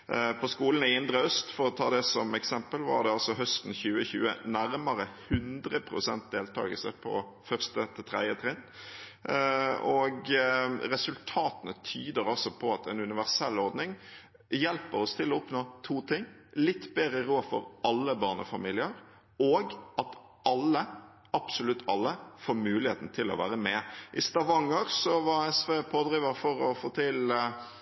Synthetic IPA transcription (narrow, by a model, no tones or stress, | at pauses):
pʰɔskuːlən̩ɪɪnd̪ɾəœst̪fɔɾɔt̪ʰɑːd̪ɛsɔmɛksɛmpəlʋɑ̰ʁd̪ɛɑlsɔɦœst̪n̩çʉːəçʉ̰ːə̰næɾməɾəhʉnd̪ɾəpʰɾʊsɛnt̪̚d̪eːlt̪ʰɑ̰ːɡəlsə̰pʰɔ̰ | fœʁst̪ət̪ʰɪt̪ʰʁɛd̪jət̪ʰɾɛn | ɔɡɾɛsʉlt̪ʰɑːt̪nət̪ʰyːd̪əɾɔsɔpʰɔɑt̪ʰɛnʉnɪʋæʁsɛlːɔɾd̪nɪŋ | jɛlpəɾɔst̪ʰɪlɔʊpnoːt̪ʰuːt̪ʰɪŋːlɪt̪ːbɛːɾəɾoːfɔ̰ɾɑlːəbɑːʁnə̰fɑmiːlɪəɾ | ɔɡɑt̪ | ʔɑlːə | ɑb̥sʊlʉt̪ːɑlːəfoːɾmʉːlɪheːt̪n̩t̪ʰɪlɔ̰ʋæ̰ːɾəmɛʔɪst̪ɑʋɑŋəɾsɔʋɑɛsʋeːpʰoːd̪ɾiːʋəɾfɔɾɔfoːt̪ʰɪl